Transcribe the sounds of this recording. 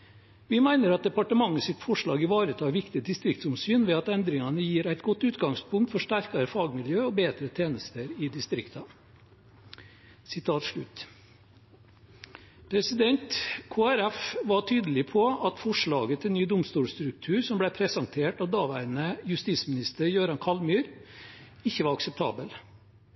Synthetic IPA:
ʋɪmæɪnəɾɑt̪̚d̪ɛpɑʈəmɑŋːəsɪt̪fɔʂɭɑːɡɪʋɑːɾət̪ʰɑːʋɪkt̪ɪd̪ɪst̪ɾɪkt̪sʊmsyːnʋɛːɑt̪ɛnd̪ɾɪŋɑnəjiːɾæɪt̪ɡɔt̪ːʉːt̪ɡɑŋspʊŋkt̪fɔʂʈæɾkɑɾəfɑːɡmɪljøːɔbeːd̪ɾət̪ʰeːnəst̪əɾɪd̪ɪst̪ɾɪkt̪ɑ | sɪt̪ʰɑːt̪ʂɭʉt̪ | pʰɾɛsɪd̪ɛnt̪kʰoːæɾæfʋɑʈʰyːd̪əlɪpʰɔɑt̪fɔʂɭɑːɡət̪ʰɪlnyːd̪ʊmst̪uːlst̪ɾʉk̚t̪ʰʉːɾsɔmblæɪpʰɾɛsɑnt̪ʰeːʈɑʋd̪ɑːʋæːɾənəjʉst̪ismɪnɪst̪əɾjøːɾɑnkʰɑlmyːɾ | ɪçːəʋɑɾɑksɛp̚t̪ʰɑ̰ːbəl

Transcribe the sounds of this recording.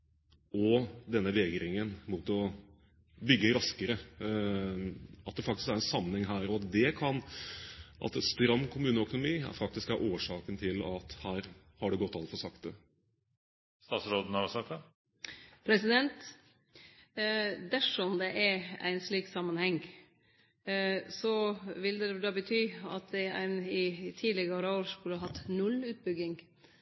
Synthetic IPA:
ɔd̪ɛnːəʋɛːɡɾɪŋənmut̪ɔ | bʏɡːəɾɑskəɾə | ɑt̪̚d̪ɛfɑk̚t̪ɪ̥skæɾɛnsɑmːənhɛŋɦæːɾɔɑt̪d̪ɛkʰɑn | ʔɑ̰t̪ɛst̪ɾɑmːkʰʊmʉːnəœkʊnʊmiːæ̰fɑkt̪ɪskæɾʔoːʂɑːkənt̪ʰɪlɑt̪hæːɾ | hɑɖɛɡɔt̪ːɑlt̪fɔsɑkt̪ə | st̪ɑːt̪sɾoːd̪ən̩əɑsɛt̪ːə | pʰɾɛsɪd̪ɛnt̪ | d̪æʂɔmd̪ɛʔæɾæ̰ɪnsɭiːksɑmːənhɛŋ | sɔʋɪld̪ɛd̪ɑːbət̪ʰyːɑ̰t̪̚d̪ɛæ̰ɪnɪt̪ʰiːlɪɡɑɾəoːɾskʉləɦɑt̪ːnʉlʉːt̪̚bʏɡɪŋ

